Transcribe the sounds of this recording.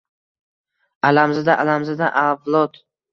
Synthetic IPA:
alamzɪd̪aʔalamzɪd̪aʔavlˠɒt̪

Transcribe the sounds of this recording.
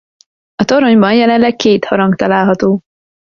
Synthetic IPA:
ɒt̪o̞ɾoɲbɒnjɛlɛnlɛkkeːt̪hɒɾɒŋɡt̪ɒlaːlɦɒt̪oː

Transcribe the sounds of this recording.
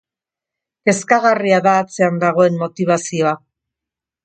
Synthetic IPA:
e̞skaɣariaðaːt͡se̞and̪aɣ̞o̞e̞mːo̞t̪iβ̞asio̞a

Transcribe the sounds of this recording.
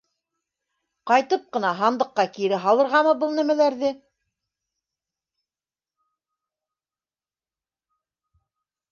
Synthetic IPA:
qɑjt̪ɤp̚qɤ̆nɑɦɑnd̪ɤ̆qːɑkiɾɘɦɑlˠɤ̆ɾʁɑmɤbɤlˠnæmælæɾðɘ

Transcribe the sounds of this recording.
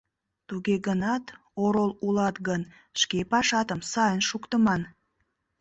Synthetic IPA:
t̪uɣeɣənɑt̪ | oɾolulɑt̪ɡən | ʃkepɑʃɑt̪əmsɑjənʃukt̪əmɑn

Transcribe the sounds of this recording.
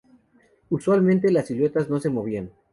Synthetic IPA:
uswalmẽnt̪e̞lasilwe̞t̪azno̞se̞mo̞βian

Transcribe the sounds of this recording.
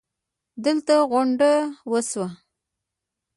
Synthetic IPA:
d̪əlt̪aɣʊɳɖawəswa

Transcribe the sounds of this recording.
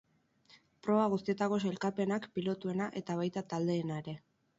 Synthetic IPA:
pɾo̞βaɣ̞us̬t̪ie̞t̪ako̞se̞lkape̞nakpilo̞t̪ue̞naʔe̞t̪aβ̞ajt̪at̪ald̪e̞ːnaeɾe̞

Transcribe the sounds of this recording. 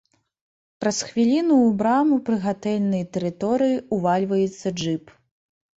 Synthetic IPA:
pɾɐsxvʲilʲinuːbɾamupɾɨɣat̪ɛlʲnɨjɐt̪ɛɾɨt̪ɔɾɨjiuvalʲvɐjɛt̪sːɐʐɨp

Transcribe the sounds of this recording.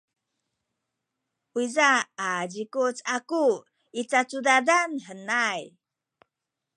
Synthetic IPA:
uizaːd͡ʑikut͡saku | it͡sat͡sudadanħənaj

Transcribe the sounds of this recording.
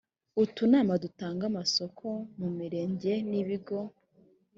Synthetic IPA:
utunaːmadutaːŋɡamasokʰo̞mumiɾe̞ːɲɟe̞niβiɡo̞

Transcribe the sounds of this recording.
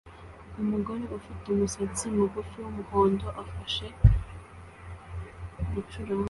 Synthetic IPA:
umuɡoɾeufiteumusat͡siumuɡufiwumuhoːndoʔafaʃe | ɾut͡ʃuɾa

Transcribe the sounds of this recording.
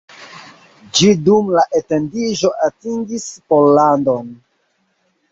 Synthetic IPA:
d͡ʒidumlaʔete̞ndiʒo̞ʔatiŋɡispolːandon

